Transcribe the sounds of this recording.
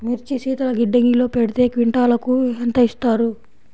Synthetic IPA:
miɾt͡ʃisiːt̪ɐlɐɡiɖːeŋɡilo̞ːpeɽit̪e̞ːkʋiɳʈaːlɐkuɦent̪ɐist̪aːɾu

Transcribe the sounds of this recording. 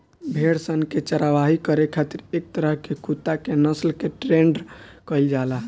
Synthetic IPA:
bʱeɽsənket͡ʃəɾaʋaɦikəɾekʰat̪iɾek̚t̪əɾəɦkekut̪ːakenəslkeʈɾeɳɖkəɪld͡ʒalaɦ

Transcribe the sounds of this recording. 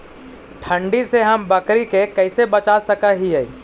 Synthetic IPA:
ʈʰə̃ɳɖiseɦɐmbəkɾikekɛɪsebɐt͡ʃasəkaɦiɦɛ

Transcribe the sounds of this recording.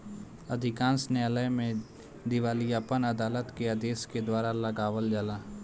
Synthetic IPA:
əd̪ʱɪkãːnsneləjmẽ | d̪ɪʋaːlijaːpənəd̪aːlət̪keəd̪eːsked̪waːɾaləɡaːʋəld͡ʒəlaː

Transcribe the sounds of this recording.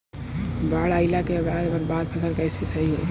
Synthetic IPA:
baːɭaːɪlakebaːd̪bəɾbaːd̪̚pʰəkʰəɾkəːsesəɦiɦo̰

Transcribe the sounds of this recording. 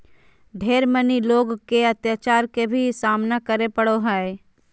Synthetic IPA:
ɖʱeːɾməniloːɡkeɐt̪jat͡ʃaːɾkebʱisaːmnakəɾepəɽoɦɛe

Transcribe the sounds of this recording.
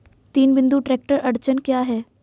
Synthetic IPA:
t̪iːnbɪ̃nd̪uʈɾeːk̚ʈəɾɐɾt͡ʃənkjaːɦɛː

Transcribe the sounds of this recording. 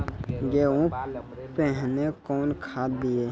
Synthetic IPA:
ɡeːũpɛ̃ɦnekɔːnkʰaːd̪ie

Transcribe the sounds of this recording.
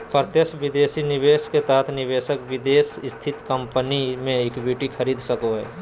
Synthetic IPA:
pəɾt̪jəsʋɪd̪eːsinɪʋeːʃket̪ɐɦət̪ʰnɪʋeːʃəkʋɪd̪eːsɪst̪ʰɪt̪kə̃mpənimẽekbiːʈikʰɐɾiːd̪səkoɦɛ̰ː

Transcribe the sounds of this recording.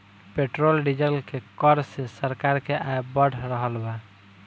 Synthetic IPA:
peʈɾolɖid͡ʒəlkekɔɾsesəɾkaɾkeʔaebəɽ̤ʰɾəɦəlba

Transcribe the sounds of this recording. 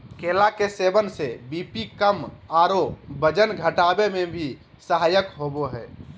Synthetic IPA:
kelakesebənsebipikəmaɾobəd͡ʒənɡʱəʈabemẽbʱi | səɦajəkɦoboɦɛː

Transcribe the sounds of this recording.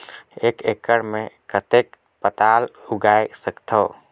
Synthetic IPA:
eːkeːkəɽmẽkət̪eːk | pət̪aːlʊɡaːesəkt̪ʰoː

